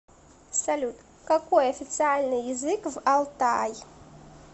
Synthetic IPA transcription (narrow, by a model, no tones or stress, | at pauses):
salʲut̪ | kakuaafit͡sialnəjizikvalt̪aj